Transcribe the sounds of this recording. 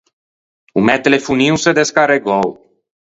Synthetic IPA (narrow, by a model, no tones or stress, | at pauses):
umɛt̪elefuniused̪eskaɾeɡow